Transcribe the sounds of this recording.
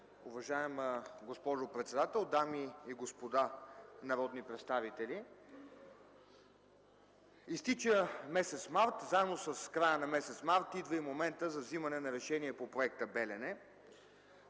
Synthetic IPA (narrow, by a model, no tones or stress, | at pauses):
ʊvɐʒaɛmɡospɔʒopɾɛt̪sɛd̪at̪ɛlˠd̪amiːɡospod̪anɐɾɔd̪nipɾɛt̪st̪avit̪ɛli | ist̪it͡ʃəmɛsɛt̪smaɾt̪zaɛbnosəskɾajənɐmɛsɛt̪smaɾt̪id̪vəimomɛnt̪əzɐvzimɐnɛnɐɾɛʃɛniɛpopɾoɛk̚t̪əbɛlɛnɛ